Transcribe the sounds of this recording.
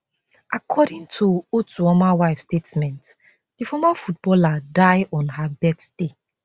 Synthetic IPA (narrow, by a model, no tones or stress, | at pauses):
ʔakʰɔdĩŋtʰuotɔmawaɪfstetmɛ̃nt | d̥ifɔmafut̚bɔladaɪʔɔ̃nhabɛtd̥e